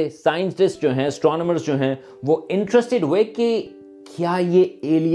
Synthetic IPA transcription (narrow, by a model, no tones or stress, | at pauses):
esaːɪə̃nsʈɪsʈd͡ʒoːɦɛ̃ɐsʈɾɔːnəməɾzd͡ʒoːɦɛ̃ | ʋoɪ̃ɳʈɾəsʈɪɖɦoeke | kʰjaːjeeːlij